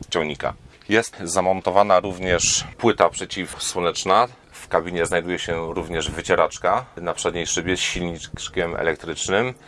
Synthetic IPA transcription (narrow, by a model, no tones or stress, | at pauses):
t͡ɕɔ̃wɲika̰ | jɛst̪zamɔnt̪ɔvanaɾuvɲɛʂpwɘt̪apʂɛt͡ɕifswɔnɛt͡ʂna | fkabʲiɲɛznajd̪ujɛɕɛɾuvɲɛʐvɘt͡ɕɛɾat͡ʂkanapʂɛd̪ɲejʂɘbʲjɛsɕilɲit͡ʂt͡ʂkʲɛmɛ̰lɛk̚t̪ɾɘt͡ʂnɘm